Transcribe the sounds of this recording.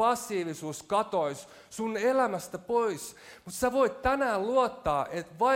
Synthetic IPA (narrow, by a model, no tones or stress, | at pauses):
ɑsːiːʋisuːskɑt̪ois | sunelæmæst̪æpois | mut̪sæʋoit̪t̪ænæːlluot̪ːɑːʔet̪ʋɑ